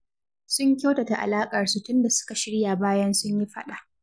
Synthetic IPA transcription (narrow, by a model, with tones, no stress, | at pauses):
sʊ˦ɲkʲa˦wta˨ta˨ʔa̰˨laː˦kʼɐ˨rsu˨tʊ˦nda˨sʊ̥˦ka˨ʃɪ˦ɽɪ˦ja˨baː˦jɐ˦nsʊ˦ɲji˦ɸɐ̰˦ɗa˨ʔ